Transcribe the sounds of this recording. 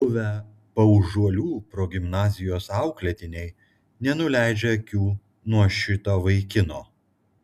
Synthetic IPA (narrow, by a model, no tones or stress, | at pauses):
bʊʋʲɛ | pɐʊʒuɔlʲuːpɾoːɡʲɪmnɑːzʲɪjoːsɑˑʊklʲɛt̪ʲɪnʲɛɪ | nʲɛnʊlʲæˑɪd͡ʒʲɛɐkʲuː | nuɔʃʲɪt̪oːʋɐɪkʲɪnoː